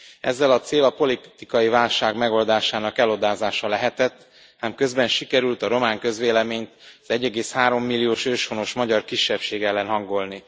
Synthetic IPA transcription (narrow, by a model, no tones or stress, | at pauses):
ɛ̰zːɛlɒt̪seːlɒpo̞lit̪ikɒjivaːlʃaːɡmɛɡo̞ld̪aːʃaːnɒkɛlo̞d̪aːzaːʃɒlɛɦɛt̪ɛt̪ː | aːmkø̞zbɛnʃikɛɾylt̪ɒɾo̞maːŋkø̞zʋeːlɛmeːɲt̪ɒzɛɟːɛɡeːshaːɾo̞mːilːijoːʃøːʃfo̞no̞ʃmɒɟɒrkiʃːɛpʃeːɡɛlːɛnɦɒŋɡo̞lni